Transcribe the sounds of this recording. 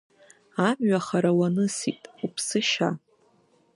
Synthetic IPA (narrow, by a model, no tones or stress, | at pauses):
amɥaχaɾawanɨsḭtʼupʰsɨʃa̰